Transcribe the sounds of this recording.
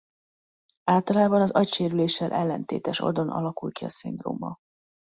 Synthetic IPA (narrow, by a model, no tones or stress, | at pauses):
aːlt̪ɒlaːbɒnɒzɒcʃeːɾyleːʃːɛlʔɛlːɛnt̪ḛːt̪ɛʃo̞̰d̪o̞nʔɒ̰lɒkulkiɒsind̪ro̰ːmɒ̰